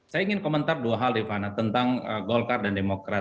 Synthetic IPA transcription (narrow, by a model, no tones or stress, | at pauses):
sajaiŋɪnkomənt̪arduaɦaldifanat̪ənt̪aŋəɡɔlkardandemokɾa